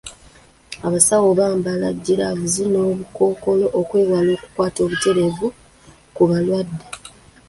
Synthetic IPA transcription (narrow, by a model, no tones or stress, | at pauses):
aβasawo̞βaːmbala̰ɟːiɾavuzino̞ːβuko̞ːko̞lo̞ʔokwe̞ːwalo̞ːku̥kwaːto̞ːβute̞ɾe̞vu | kuβalwadːe